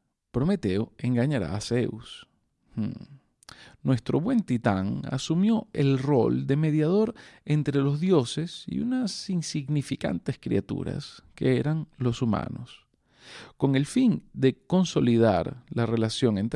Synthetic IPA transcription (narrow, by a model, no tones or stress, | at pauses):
pɾo̞me̞t̪e̞oe̞ŋɡaɲaɾa̰ːseus | h̩ | nwe̞st̪ɾo̞βwe̞nt̪it̪a̰ŋa̰sumjo̞e̞lro̞ld̪e̞me̞ðjað̞o̞ɾe̞nt̪ɾe̞lo̞zðjo̞se̞sḭṵnasinsiɣnifika̰nt̪e̞skɾḭat̪ṵɾa̰ske̞̰e̞ɾaŋlo̞sumã̰no̞̰s | ko̞ŋe̞lfind̪e̞ko̞nso̞lið̞a̰ɾlare̞lasjo̞ŋe̞nt̪